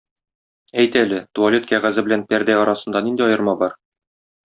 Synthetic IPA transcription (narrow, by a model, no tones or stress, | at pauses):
æjt̪ælɘt̪uɐlʲet̪kʲæʁæzɘbɘ̆lænpæɾd̪æɒɾɑsɤ̆nd̪ɑnind̪iɒjɤ̆ɾmɑbɒɾ